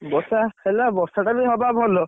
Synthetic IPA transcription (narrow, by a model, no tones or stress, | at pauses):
bɔsahelabɔsaʈabiɦɔbabʱɔlɔ